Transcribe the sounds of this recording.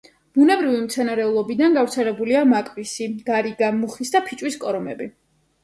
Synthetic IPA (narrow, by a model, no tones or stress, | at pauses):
b̥unɛbɾivimt̪sʰɛnaɾɛulˠɔbid̪anɡavt̪sʰɛlɛbuliamakʼvisiɡ̥aɾiɡamuχisd̪apʰit͡ʃʼwiskʼɔɾɔmɛbi